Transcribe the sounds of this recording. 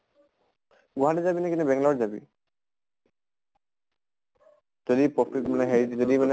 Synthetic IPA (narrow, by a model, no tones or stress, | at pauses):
ɡoɦaʈezabinakinɛbɛŋlaɾzabḭ | d͡ʒod̪ipɔkʰɾikmanɛɦeod̪imane